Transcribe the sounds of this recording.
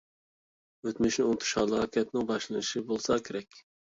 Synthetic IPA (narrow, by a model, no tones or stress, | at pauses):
øt̪myʃnɪont̪ʰu̥ʃɑlˠəʁɑkʲʰɛt̪̚nɪŋbɑʃlˠɨnɨʃibolˠsɑkʲʰeɾɛkʲ